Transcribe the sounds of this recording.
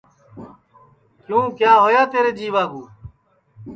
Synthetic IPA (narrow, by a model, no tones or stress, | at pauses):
kjũːkjaːɦoːjaːt̪eːɾeːd͡ʒiːʋaːbuː